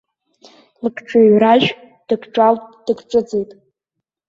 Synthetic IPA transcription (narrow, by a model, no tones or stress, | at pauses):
lɨkʰʼʈ͡ʂʼaɥraʒᶣ | d̥ɨkʰʈ͡ʂʼalʼd̥ɨɡʈ͡ʂʼɨd͡zejtʼ